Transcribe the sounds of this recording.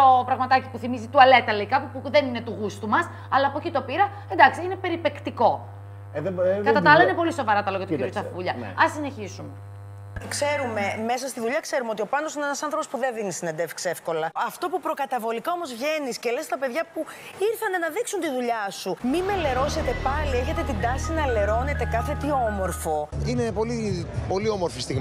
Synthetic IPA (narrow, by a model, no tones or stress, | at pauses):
opɾɐɣmɐt̪ɐci̥puθimizit̪uɐle̞t̪ɐleikɐpupuðenine̞t̪uɣust̪umɐs | ɐlɐːpocit̪o̞piɾɐ | e̞nd̪ɐksiinepe̞ɾipe̞kt̪iko̞ | ðkɐtt̪ɐt̪ɐɐlɐinepo̞liso̞vɐɾɐt̪ɐloɣɐt̪ocijot͡sɐfuʎɐɐsine̞çisume | kse̞ɾume̞me̞sɐst̪iðuʎɐkse̞ɾumeo̞t̪io̞pɐnosuinenɐsɐnθɾopospuðenðinist̪inɐnd̪efkse̞fko̞lɐɐft̪o̞pupɾo̞kɐt̪ɐvo̞likɐo̞mo̞zvʝe̞niscele̞st̪ɐpe̞ðʝɐpuiɾθɐnenɐðiksunt̪iðuʎɐsumimele̞ɾo̞se̞t̪e̞pɐlie̞çe̞t̪e̞t̪ind̪ɐsinɐle̞ɾo̞ne̞t̪e̞kɐθet̪iomo̞ɾfo̞inepo̞lipo̞liomoɾfist̪iɣ